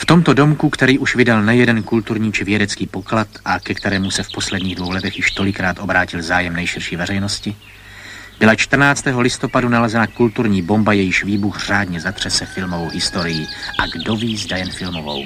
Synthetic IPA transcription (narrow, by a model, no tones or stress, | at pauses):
ft̪o̞mt̪o̞do̞mkukt̪ɛɾiːʔuʃvɪdalnɛjɛdɛnkult̪uɾɲiːt͡ʃɪvjɛdɛt͡skiːpo̞klat̪ʔakɛkt̪ɛɾɛːmusɛfpo̞slɛdɲiːɣdvo̞wlɛt̪ɛxjɪʃt̪o̞lɪkɾaːt̪ʔo̞bɾaːcɪlzaːjɛmnɛjʃɪɾʃiːvɛrɛjno̞scɪ | b̥ɪlat͡ʃt̪rnaːt͡st̪ɛːɦo̞lɪst̪o̞padunalɛzɛnakult̪uɾɲiːbo̞mbajɛjɪʃviːbuxr̝aːdɲɛzat̪r̝̥ɛsɛfɪlmovowɦɪst̪o̞ɾɪjɪʔaɡdo̞viːzdajɛnfɪlmovo̞̰w